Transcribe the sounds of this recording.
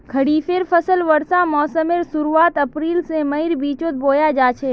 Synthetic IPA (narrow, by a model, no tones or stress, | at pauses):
ɡʱɐɽiːfʰeːɾpʰɐsəlʋɐɾsãmɔːsəmeɾsʊɾuaːt̪ɐpɾiːlsẽmɐiɾbiːt͡ʃoːt̪̚boːjad͡ʒaːt͡ʃʰe